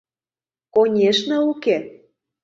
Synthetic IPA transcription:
konʲeʃnɤuke

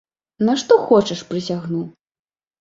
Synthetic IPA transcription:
naʂt̪ɔxɔt͡ʂɐʂpɾɨsʲaɣnu

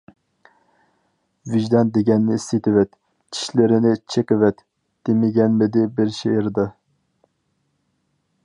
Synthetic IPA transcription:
vɪʒd̪ɛnd̪eɡʲɛnːɪist̪et̪ɪvɛt̪ | t͡ʃʰi̥ʃlɪɾɪnɪt͡ʃʰeqəvɛt̪ː | emɪɡʲɛnmɪd̪ɪbɪɾʃeɪɾd̪ɑ

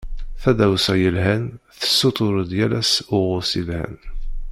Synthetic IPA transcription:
θæðæwsæjəlɦænθə̥sːot̪ˤʊɾəd̪jælæsʊʁʊsilhæ̰n

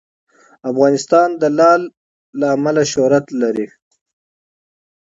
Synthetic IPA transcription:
afɣɑnɪst̪ɑnd̪əlɑlː | aːmalaʃoɾat̪laɾi

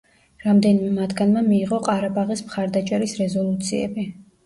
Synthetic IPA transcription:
ɾamd̪ɛnimɛmad̪ɡanmɛmiːʁɔqʼaɾabaʁismχaɾd̪at͡ʃʼɛɾisɾɛzɔlˠut̪sʰiɛ̰bi

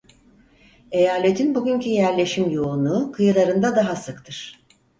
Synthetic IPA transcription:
e̞jaːlʲet̪ʰinbuɟʲyncyjæɾlʲe̞ʃimjounuːkʰɯjɯlˠaɾɯnd̪ad̪aɦasɯkt̪ʰɯɾ̥

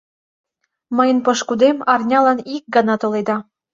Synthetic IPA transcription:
mɤjə̆npɤʃkud̪emɑrnʲɑlɑnik̚ɡɑnɑt̪oled̪ɑ

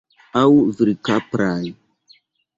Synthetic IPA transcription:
awviɾikapɾaj

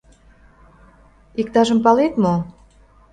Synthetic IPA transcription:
ikt̪ɑʒə̆mpɑlet̪mo

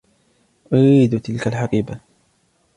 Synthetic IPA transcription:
ʔʊɾiːd̪ʊt̪ɪlkalħaqiːba

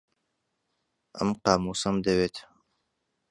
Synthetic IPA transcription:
ə̰mqaːmuːsɐmd̪ɐweːt̪ʰ

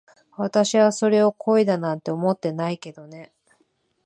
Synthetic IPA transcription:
βat̪aɕiβaso̞ɾe̞o̞kʰo̞id̪anãnt̪e̞omo̞t̪ːe̞naike̞d̪o̞ne̞

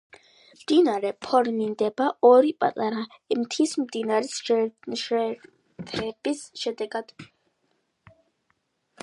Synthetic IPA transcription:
md̪̥inaɾɛpʰɔɾmind̪ɛbaɔɾipʼa̰t̪ʼaɾaimt̪ʰismd̪inaɾisʃʃɛ | t̪ʰɛbisʃɛd̪ɛɡad̪̥

